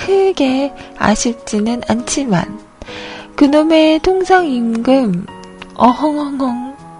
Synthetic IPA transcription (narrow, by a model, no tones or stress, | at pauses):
kʰɯɡe̞a̰ɕʰiɭt͡ɕ͈inɯnant͡ɕʰima̰n | kɯnome̞tʰoŋsʰaŋimɡɯm | ʌɦʌŋɦʌŋɦʌŋ